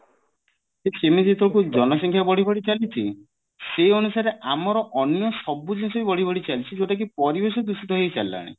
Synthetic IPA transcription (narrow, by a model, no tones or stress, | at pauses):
sesemid͡ʒet̪ʰokud͡ʒɔnɔsɔŋkʰjabɔɽ̤ibʱɔɽit͡ʃalit͡ʃʰi | seɔnusaɾeʔamɔɾɔʔɔnjɔsɔbud͡ʒnsɔbibɔɽ̤ibɔɽit͡ʃalit͡ʃʰid͡ʒoʈak̬ipɔɾibesɔd̪usit̪ɔɦejt͡ʃa̰lːa̰ɽ̃ḭ